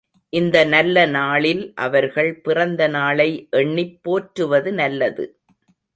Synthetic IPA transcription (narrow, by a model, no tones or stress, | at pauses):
ʔɪnd̪ɐnɐlːɐnaːɭɪlʔɐ̰ʋɐɾɣɐɭpɪrɐnd̪ɐnaːɭɐɪʔɛɳːɪpːoːʈɾɯʋɐðɯnɐlːɐðɯ̰